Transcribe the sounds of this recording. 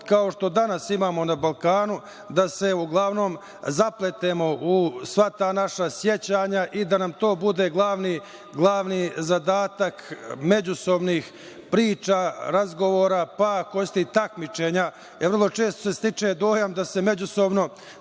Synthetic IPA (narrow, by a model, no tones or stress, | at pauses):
kao̞ʃt̪o̞d̪anasimaːmo̞nabalˠkaːnu | d̪ase̞uɡlˠaʋno̞ːm | zaplet̪eːmo̞ʔusʋat̪aːnaʃasje̞t͡ɕaːɲaʔid̪anamt̪o̞ːbud̪e̞ɡlˠaːʋni | ɡlˠaːʋnizad̪aːt̪akme̞d͡ʑuso̞bniːx | pɾiːt͡ʃaːɾazɡo̞ʋo̞ːɾapako̞jst̪eit̪akmit͡ʃe̞ːɲa | eʋr̩lˠo̞t͡ʃe̞ːst̪o̥se̞st̪it͡ʂed̪o̞ːjamd̪ase̞me̞d͡ʑuso̞bno̞